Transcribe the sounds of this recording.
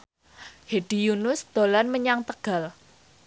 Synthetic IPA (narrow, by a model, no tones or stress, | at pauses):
heɖ̥i̤junʊsd̪̥o̤lanməɲaŋt̪əɡ̥a̤l